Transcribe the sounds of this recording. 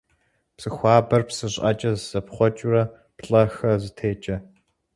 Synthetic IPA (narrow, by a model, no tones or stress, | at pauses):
psɨxʷɑːbɐrpsɨɕʼɐt͡ʃʼɐzz̥ɐpχʷɔt͡ʃʼurɐ | pɬʼɐxɐzɨtʰeːt͡ʃʼɐ